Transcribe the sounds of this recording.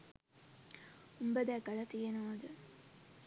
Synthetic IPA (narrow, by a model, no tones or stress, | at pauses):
umbəd̪æɡɐlɐt̪ijenɐʋɐd̪ə